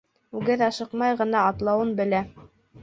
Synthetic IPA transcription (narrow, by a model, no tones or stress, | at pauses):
ʉɡɘðɑʃɤ̆qmɑjʁɤ̆nɑːt̪lˠɑwɤnbɘ̆læ